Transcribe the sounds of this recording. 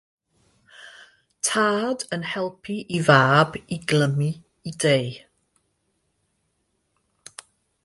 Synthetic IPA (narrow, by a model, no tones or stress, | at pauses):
tʰaːdənhɛlˠpʰiʔivaːbiɡləmi | idej